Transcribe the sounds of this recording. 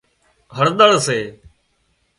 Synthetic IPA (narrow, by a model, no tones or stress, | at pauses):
ɦəɽɗ̪əɭseː